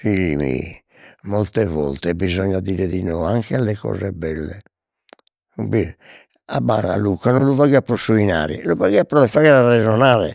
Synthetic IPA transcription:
fiʎːimḭ | mɔlt̪ɛvɔ̰lt̪ɛbizɔɲːad̪iːɾɛðinɔaŋkɛalːɛkɔ̰ːzɛbɛlːɛ | bi | abːa̰na̰lukːanɔnluvaɣiapːɾɔsuina̰ːɾḭluvaɣiapːɾɔlɛfaɣɛɾarɛzɔnaːlɛ̰

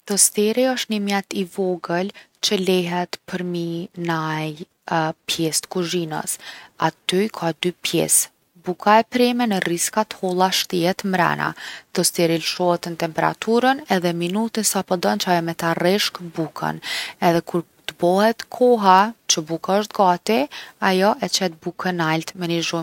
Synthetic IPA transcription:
t̪ɔst̪ɛɾiɔʃt̪nəmjɛt̪ivɔɡəl | t͡ɕəlɛɦɛt̪pʰəɾminaj | pjɛst̪kuʒinə̰sat̪yjkʰad̪ypjɛ̰s | bukʰaɛpɾɛmɛnəriskat̪ə̥hɔlˠaʃt̪iɦɛt̪mɾa̰na̰t̪ɔst̪ɛɾilʃɔhɛt̪nət̪ɛmpɛɾa̰t̪uɾənɛðɛminut̪insapɔd̪ɔnt͡ʃajɔmɛt̪arɛʃkbukʰə̰nɛðɛkʰuɾ | t̪əbɔhɛt̪kʰɔɦat͡ʃəbukaɔʃt̪ɡat̪iajɔʔɛt͡ʃɛt̪̚bukʰənalt̪mɛniʒu

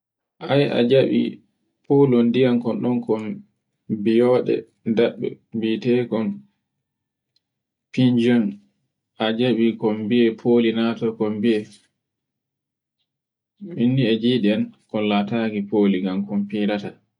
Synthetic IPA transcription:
ʔaja̰d͡ʒaɓḭ | pʰolɔndijankɔnɗɔnkɔn | bijɔːɗɛ̰ | daɓːɛ̰ | bitɛkɔn | pind͡ʒɔn | ʔad͡ʒaɓikɔmbiɛpʰoːlinatɔkɔmbiɛ | ɓinːiɛd͡ʒiɗɛankɔnlataɡipoːliɡamkɔmpiːɾata

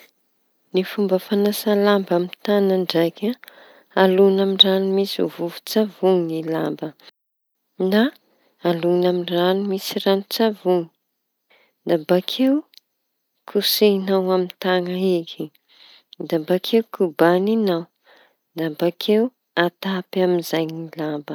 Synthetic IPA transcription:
nifumbəfanasalambamit̪anaɳɖ͡ʐajkʲa | alunamiranimisṵvuvu̥t͡savuŋinilambə | na | alunamiranumisiɾanut͡savuŋi̥ | d̪abakʰew | kʰusenawamint̪aŋəikʰi | d̪abakʰewkubaninaw | nd̪abakʰew | at̪apaminzajnilambə

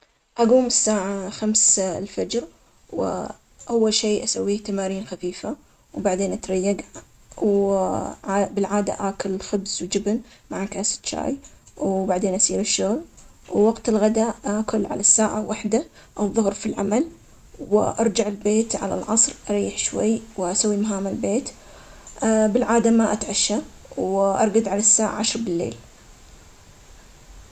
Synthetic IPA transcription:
ʔaɡuːmɪsːaːʕaxamslfad͡ʒɾ | wɪ̰ | ʔawːalʃeːʔasawːiːht̪amaːɾiːnxafiːfa | wbaʕd̪eːnʔat̪ɾˤɑjːaɡ | w | bɪlʕaːd̪a̰ʔaːkʊlxʊbzwd͡ʒɪbnmaʕakaːsɪ̥t̪t͡ʃa̰ːjwbaʕd̪eːnʔasiːɾɪʃːʊɣl | wːaɡt̪ɪlɣad̪akʊlːʕa̰lasːaːʕawaħd̪a | ʔaðˤʊhɾfilʕamal | wɪʔɑɾˤd͡ʒaʕɪlbeːt̪ʕa̰la̰lʕɑsˤɾʔɑɾˤiːħʃwa̰jːwʔasawːimaɦaːmalbeːt̪ | bɪlʕaːd̪amaʔat̪ʕaʃːawʔɑɾˤɡad̪ʕalasːaːʕa̰ʕaʃɾˤbɪlːḛːl

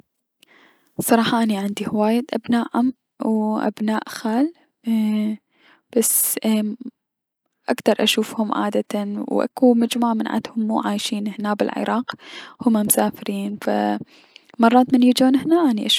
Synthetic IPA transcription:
sˤɑɾˤɑːħɑʔaniʕɪnd̪ihwaːjɪd̪ʔabnaːʔham | wʔa̰bnaːʔxaːl | b̥as | ʔakt̪ɑɾˤʔaʃuːfhʊmʕa̰ːd̪at̪anwʔa̰kumad͡ʒmuʕamɪnʕa̰t̪hʊmːuːʕaːjʃiːnhnabɪ̰lʕɪ̰ɾˤɑːqhʊmːamʊsaːfɪɾiːnfa̰ | mɑrˤːɑːt̪mɪnjid͡ʒuːnhnaʔaniʔaʃ

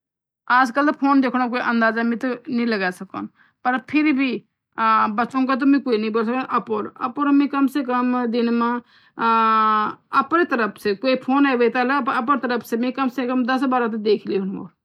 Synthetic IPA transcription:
aːd͡ʒkəlpʰoːnd̪eːkʰɽ̃õk̬oːiʔɐ̃nd̪aːzamĩt̪onĩləɡaːsɐko̰ːn | pɐɾpʰɪɾbʱi | bɐt͡ʃõːkat̪̬omĩkoːinəĩboːlsəkʔɐpoːɾə̰poːɾmĩkɐmsekɐmd̪ɪnmã | ɐpɾet̪əɾəpʰsekoːipʰoːnaʋet̪alapɐp̬əɾt̪əɾəpʰsemĩkɐmsekɐmd̪ɐsbaːɾãt̪̬ed̪eːkʰiliɦʊño̰ːɾ

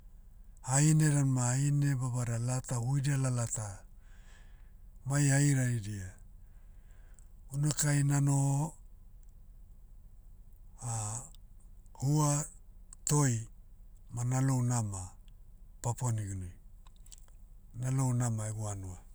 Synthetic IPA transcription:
haine̞ɾanmaaine̞babaɾalatahujdialalata | majaiɾaidia | unakajnano | a | hua | to̞j | manalo̞wnama | paponiɡunu | nalo̞wnamaeɡuanua

